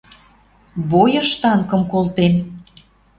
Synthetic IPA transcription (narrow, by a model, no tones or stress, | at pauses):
bojɤ̆ʃt̪ɑŋkə̆mkolt̪en